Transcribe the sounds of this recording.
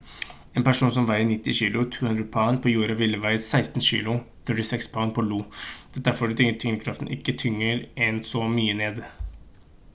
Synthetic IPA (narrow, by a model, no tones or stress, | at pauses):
ɛːnpæʂuːns̬ɔmʋæɪənɪt̪ːɪçiːlʊt̪ʰuːhʉnd̪ɾədpʰɑnpʰɔjuːɾɑʋɪlːəʋæɪsæɪst̪n̩ɕḭːlʊθœʈɪsɛkspʰɑːnpʰɔluːd̪̥ɛd̪æɾfɔɖɛt̪ʰʏŋət̪ʰʏŋnəkʰɾɑft̪n̩ʔɪkːət̪ʰʏŋːəɾɛnsɔmyːəneːd̪